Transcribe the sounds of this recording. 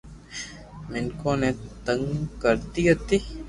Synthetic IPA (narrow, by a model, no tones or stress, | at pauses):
mɪnkõːnet̪əŋkəɾt̪iɦət̪iː